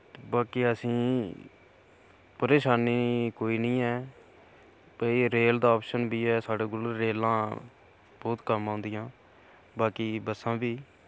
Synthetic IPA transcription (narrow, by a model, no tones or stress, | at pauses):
baːkiːəsĩː | pəɾeːʃaːniːkoːiːnəĩːɛː | pəiɾeːld̪aːɔːpʃənbiːɛːsaːɖeːɡʊlɾeːlãː | bɔːt̪kəmãːnd̪ɪjãː | baːkiːbəsãːbiː